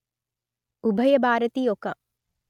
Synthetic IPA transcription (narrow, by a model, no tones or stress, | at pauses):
ubʱɐjəbʱaːɾət̪iːjoːkɐ